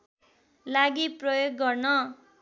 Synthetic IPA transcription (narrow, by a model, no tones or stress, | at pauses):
laɡiprʌjoɡːʌrnʌ